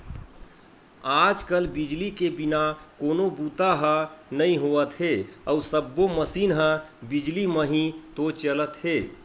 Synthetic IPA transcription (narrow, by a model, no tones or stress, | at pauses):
ad͡ʒkəlbid͡ʒlikebinakonobut̪aɦənəĩɦoət̪ɦeəusəbːoməsinɦə̃bid͡ʒliməɦĩt̪ot͡ʃələt̪ɦe